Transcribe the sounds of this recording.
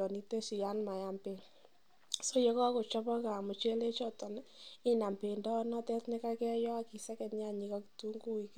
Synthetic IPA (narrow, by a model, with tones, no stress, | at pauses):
ɔ˨ni˦te˦si˨ja˦nma˨ja˨mpe˨ŋ | so˦jɔ˦kɔ˦ko˨t͡ʃɔ˦pɔ˦ka˨mʊ˨t͡ʃe˦le˦t͡ʃɔ˦tɔ˨nɪ˦na˨mpe˨ndɔ˦nɔ˦tɛ˦tnɪ˦ka˦kɛ˦jɔ˦a˦ki˨sɛ˦kɛ˨tɲa˦˨ɲi˨kɔ˦ktu˦ŋɡu˦i˨k